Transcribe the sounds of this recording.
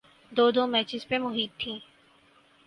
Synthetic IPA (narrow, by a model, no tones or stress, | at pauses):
d̪oːd̪oːmɛːt͡ʃɪzpemʊɦiːt̪ʰːĩː